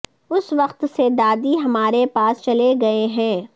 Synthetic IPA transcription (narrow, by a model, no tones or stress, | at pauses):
ʊsʋɐqt̪sed̪aːd̪iɦɐmaːɾepaːst͡ʃɐleɡɐeɦɛ̃ː